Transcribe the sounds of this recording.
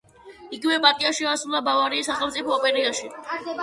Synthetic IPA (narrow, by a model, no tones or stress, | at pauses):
iɡivɛbat̪ʼiaʃiasɾulˠabavaɾiːsaχɛlˠmt̪sʼipʰɔːpʼɛɾiaʃi